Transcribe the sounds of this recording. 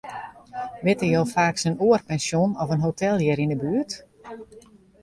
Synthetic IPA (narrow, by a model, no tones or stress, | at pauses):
ʋɪtəjowfaːksənuərpɛnsjonɔfənɦotʰɛlˠjɪɾindəbyət